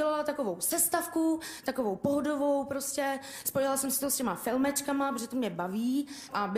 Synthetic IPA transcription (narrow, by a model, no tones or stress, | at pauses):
ɛlalat̪ako̞vo̞wsɛst̪afkut̪akovo̞wpoɦodovo̞wpɾo̞scɛ | spo̞jɪlasɛmsɪ̥t̪oscɛmafɪlmɛt͡ʃkamapɾoʒɛt̪omɲɛbaviːʔab